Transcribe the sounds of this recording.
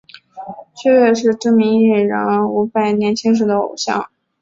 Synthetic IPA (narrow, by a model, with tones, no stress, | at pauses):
t͡ɕʰɥɛ˥˧ɥɛ˥˧ʂɻ̩˥˧ʈ͡ʂ̩˥mi˧˥ŋi˥˩ɻa̰˧˥n˧˥u˧˥pa˥˩ɪnjɛ˧˥nt͡ɕʰi˥ŋʂ̬̩˧˥d̪ə˧˦o̰˨˩ʊɕjɑ̰˥˩ŋ